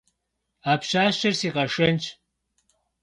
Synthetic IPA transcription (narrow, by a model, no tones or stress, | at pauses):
apʰɕaːʃɐrsiːqʼɐʂɨnt͡ʃʰʼ